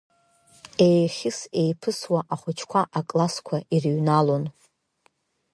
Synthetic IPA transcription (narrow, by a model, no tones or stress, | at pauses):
e̞jχʲɪse̞jpʰɨswaʔaχʷʊt͡ʃʰkʷʰaʔakʼlaskʷʰaʔirɥnalon